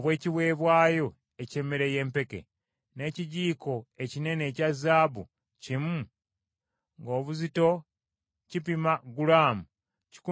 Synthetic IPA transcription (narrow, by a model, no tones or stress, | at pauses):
oβwe̞ːciβwe̞ːβwaːjo̞ | ecemeɾeje̞ːmpe̞ke̞̰ | ne̞ːciɟiːko̞e̞cine̞ne̞ːcazaːbṵ | cimu | ŋɡo̞ːβuzito̞ | cipimaɡulaːmu | ci̥ku